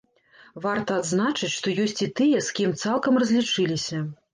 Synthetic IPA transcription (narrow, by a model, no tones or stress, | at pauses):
vart̪ɐːd̪znat͡ʂɨt͡sʲʂt̪ɔjɔsʲt͡sʲit̪ɨjɐskʲimt̪salˠkɐmrɐzʲlʲit͡ʂɨlʲisʲɐ